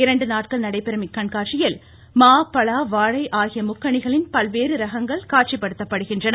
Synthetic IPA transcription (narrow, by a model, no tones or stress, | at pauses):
ɪɾɐɳɖɯnaːʈkɐɭnɐɽɐɪpːɛɾɐmɪkːɐɳkaːʈt͡ʃɪjɐl | maːpːɐɭaːʋaːɻɐɪʔaːɣɪjɐmʊkːɐɳɪɣɐɭɪnpɐlʋeːɾɯɾɐɣɐŋɡɐɭkaːʈt͡ʃipːɐɽɯt̪ːɐpːɐɽɯɣɪndrɐnɐ